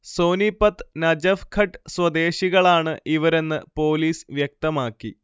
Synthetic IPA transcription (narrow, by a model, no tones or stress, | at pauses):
so̞ːnipːɐt̪nɐd͡ʑɐfkʰɐʈːɨswɐd̪e̞ːɕiɣɐɭaːɳɨʔiʋɐɾe̞nːɨpo̞ːliːsʋjɐk̚t̪ɐmaːkːi